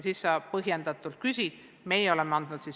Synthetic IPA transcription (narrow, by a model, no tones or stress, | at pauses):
sisːɑpɤɦjend̪̥ɑt̪ːˑult̪̚kysʲi | me̞jeo̞lemːeɑnd̪̥nud̪t̪sis